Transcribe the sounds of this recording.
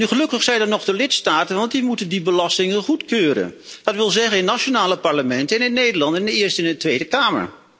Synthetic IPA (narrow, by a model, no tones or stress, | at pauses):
nyχəlɵkəχsɛjnəɹnɔχdəlɪtstaːtənʋɑntdimutəndibəlɑstɪŋənχutkøːɾə̰nd̥ɑtʋɪlˠzɛχənɪnːaʃonaːləpɑɹləmɛntəɛnɪnːejdəɹlɑntɪndəɪːɹstɪnətʋejdəkaːmə̰ɹ